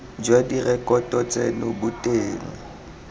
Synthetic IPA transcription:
d͡ʒwadirɛkʼɔtʼɔt͡sʼɛnobʊtʼeːŋ̩

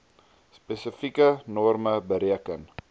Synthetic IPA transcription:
spesəfikənɔrməbəɾiəkən

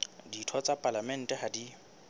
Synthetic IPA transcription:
ditʰɔt͡sʼapʼalamɛn̩tʼɛhadi

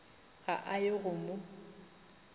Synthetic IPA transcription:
ɣa̰ʔajɪɣʊmʊ

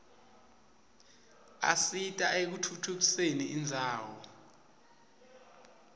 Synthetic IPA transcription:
a̰sitʼaʔek̬utʰutʰuk̬iseniʔːnd͡zʱaːwɔ̰

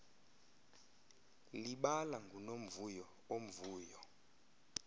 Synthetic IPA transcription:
liɓalaŋɡʱunom̩vujɔ | om̩vuːjɔ

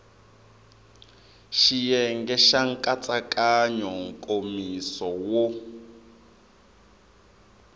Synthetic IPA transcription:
ʃijɛŋɡɛʃaŋ̩kʼat͡sʼakʼaɲɔŋ̩kʼomisɔwɔ

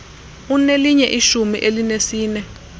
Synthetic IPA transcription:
uneliɲɛʔiʃumiʔelinesiːnɛ

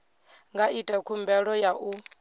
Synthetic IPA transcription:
ŋɡaʔitʼɛkʰumbɛɺɔjaʔu

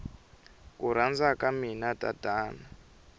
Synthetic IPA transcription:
kuɾ̤and͡zakaminata̰daːna

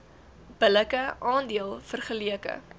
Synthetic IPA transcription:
b̥ələkəʔɑːndiəlˠfərχəliəkə̰

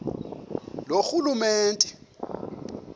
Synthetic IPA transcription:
loxulumeːntʼɛ̥

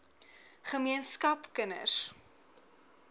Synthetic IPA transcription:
χəmiənskɐpkənə̰s

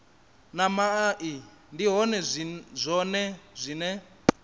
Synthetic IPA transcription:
namaʔi | ndiɦɔnɛzʷɔnɛzʷinɛ

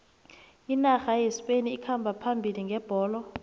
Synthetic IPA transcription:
inaxajespeniːkʰambʱapʰambʱiliŋɡʱɛb̥ʱɔːlɔ

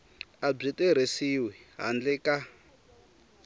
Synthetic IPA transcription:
ab͡ʐitʼɛɾ̤esiwɛɦa̰nd͡ɮɛka

